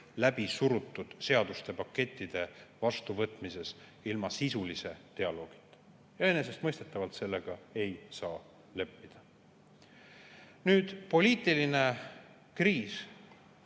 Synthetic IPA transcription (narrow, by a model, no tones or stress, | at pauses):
læbisuɾut̪ːˑud̪̥se̞ɑd̪̥ust̪e̞pɑkːe̞t̪ʲːˑid̪̥e̞vɑst̪uvɤt̪ːˑmise̞silmɑsisulise̞t̪e̞ɑlo̞ːɡ̥i̥t̪ːˑ | jɑene̞s̬e̞st̪mɤjst̪e̞t̪ːˑɑvɑlt̪se̞lːe̞ɡ̥ɑe̞jsɑː | le̞pːid̪̥ɑ | nyːd̪̥po̞lʲiːt̪ˑːiline̞ | kriːs